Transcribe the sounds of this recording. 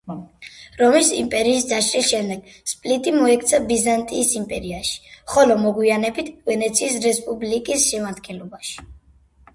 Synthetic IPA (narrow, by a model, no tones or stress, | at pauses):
ɾɔmisḭmpʼɛɾiːsd̪aʃʼɾisʃɛmd̪ɛɡ̥ | spʼlit̪ʼimɔɛkʰt̪sʰabizant̪ʼiːsimpʼɛɾiaʃi̥χɔlɔmɔɡwianɛbit̪ʰvɛnɛt̪sʰiːsɾɛspʼublikʼisʃɛmaɾd̪̚ɡɛnlɔbaʃi̥